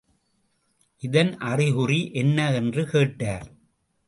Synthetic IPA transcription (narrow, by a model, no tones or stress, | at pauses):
ʔɪðɐnʔɐrɪɣʊriʔɛnːɐɛndrɯkeːʈːaːɾ